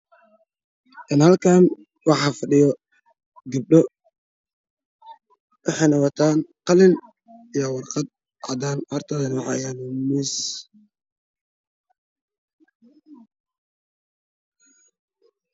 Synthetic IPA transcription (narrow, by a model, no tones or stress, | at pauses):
ʔɪnhɐlkʰaːn | wɑħɑːfɐɖɪjɔ | ɡɪb̚ɖɔ | wʔɑħɑjnɐwɑt̪ʰaːnqɑlɪn | ijɔwɑrqɑd̪̚ | ʔa̰d̪aːnhɔrt̪ʰɐðɐnʊʕɑjanmɪs